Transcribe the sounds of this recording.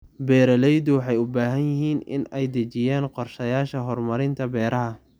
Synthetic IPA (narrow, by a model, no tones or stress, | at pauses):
bɛːɾɐlɛjd̪ʊwɑħɑjʊbaːɦɐnjɪɦiːnɪ̰nɛjd̪ɐt͡ʃɪjaːnqɔrʃɐjaːʃɐɦɔrmɐɾɪnt̪ʰɐbɛːɾʔɐɦɐ